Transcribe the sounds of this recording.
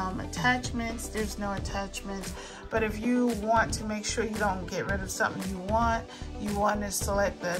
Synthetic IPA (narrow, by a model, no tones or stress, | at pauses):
mɨ̰tʰæt͡ʃmɨ̃ntsðə˞znoʊɨtʰæt͡ʃmɨ̃nts | b̥ʌɾɨfjɨwɑ̃ntʰɨmeɪkʃʊɹjɨɾõʊ̃nɡ̥ɛʔ̚ɹɪɾʌv̥sʌ̃mθɪ̃ŋjɨwɑ̃nt̚ | jɨwɑ̃nɨstʰəlɛt̚ðɨ